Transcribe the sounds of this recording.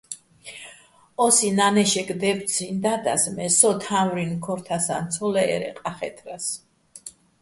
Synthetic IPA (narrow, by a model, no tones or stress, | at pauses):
ɔsinanɛʃɛɡʼd̪ɛb̪̚sʰind̪ad̪a̰smɛsɔt̪ʰamɾinkʰɔɾt̪ʰasa̰nt̪sʰɔlɛɛ̰ɾɛ̰qʼaχɛ̰t̪ʰɾas